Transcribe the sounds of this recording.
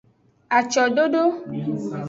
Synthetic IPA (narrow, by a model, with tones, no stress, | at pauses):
a˨t͡ʃɔ˨ɖo˦ɖo˦